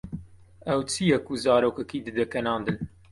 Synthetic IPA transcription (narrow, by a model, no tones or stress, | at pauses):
ɐwt͡sʰijɛkuzɑːɾoːkɛkiːd̪ɨd̪ɛkɐnɑːnd̪ɨn